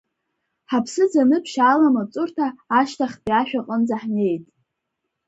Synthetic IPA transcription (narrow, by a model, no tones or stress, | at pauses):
ħapʰsɨd͡zanɨpʰʃaːlamat͡sʼʊrtʰaːʃtʰaχʲpiaʃᶣaqʼənd͡zaħne̞jtʼ